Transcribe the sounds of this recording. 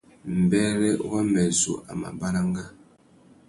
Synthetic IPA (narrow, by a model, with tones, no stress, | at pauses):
m̩˨bɛ˦ɾɛ˦wa˦mɛ˨zo̰˨ʔa̰˨ma̰˨ba˦ɾa˦ŋɡa˦